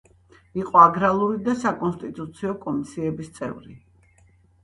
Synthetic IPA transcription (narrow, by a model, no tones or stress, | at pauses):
iqʼɔaɡɾalˠuɾid̪asakʼɔnst̪ʼit̪ʼut̪sʰiɔkʼɔmisiɛbist̪sʼɛ̰vɾi